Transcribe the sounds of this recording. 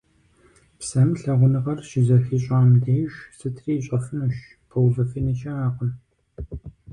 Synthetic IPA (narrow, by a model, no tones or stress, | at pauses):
psɐmɬɐʁʷʊnɨʁɐrʃɪzɐxiːɕʼaːmdeːʒsɨtʰriːɕʼɐfɨnuɕ | pʰowzɐfinit͡ʃʼɐaːqʷʊn